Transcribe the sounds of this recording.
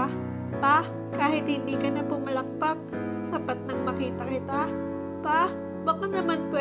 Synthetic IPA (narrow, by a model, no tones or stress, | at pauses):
pa | kaːhɪt̪hɪnd̪iːkɐnɐpʊmɐlɐk̚pak̚ | nɐsɐpat̪̚nɐŋmɐkiːt̪ɐkɪt̪a | pa | bɐkanɐmanpwɛ